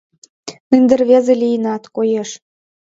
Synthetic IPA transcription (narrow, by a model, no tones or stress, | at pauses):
ind̪ə̆rβʲezelijənɑt̪kojeʃ